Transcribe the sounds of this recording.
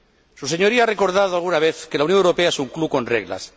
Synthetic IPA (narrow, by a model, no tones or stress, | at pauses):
suseɲo̞ɾiaare̞ko̞ɾð̞að̞oalɣunaβ̞eθke̞lawnjoŋewɾo̞pe̞aesuŋkluko̞nrḛɣla̰s